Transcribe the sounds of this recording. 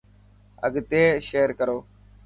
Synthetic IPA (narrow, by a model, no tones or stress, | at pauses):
ə̰ɡt̪eːʃeːɾkəɾoː